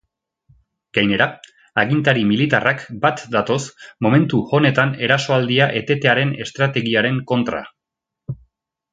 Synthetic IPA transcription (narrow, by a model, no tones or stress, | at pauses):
ɡ̥ajne̞ɾa | aɣint̪aɾimilit̪arakbat̪d̪at̪o̞smo̞me̞nt̪uo̞ne̞t̪ane̞ɾaso̞ald̪iaʔe̞t̪e̞t̪e̞aɾe̞ne̞st̪ɾat̪e̞ɣiaɾe̞ŋko̞nt̪ɾa̰